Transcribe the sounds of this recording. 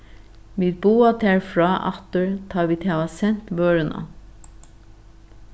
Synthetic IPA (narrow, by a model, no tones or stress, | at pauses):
miːt̪̚buːɑt̪ʰæɹfɹɑːʔɑ̰t̪əɹt̪ʰɑːʋiːt̪ʰɛʋɑsɛnt̪ʋøːɹənʔɑ̰